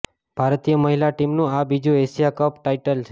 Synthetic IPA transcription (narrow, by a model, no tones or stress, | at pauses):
b̥ʱaɾt̪ijəməɦilaʈimnũabid͡ʒũesijakəpʈaiʈəlt͡ʃʰe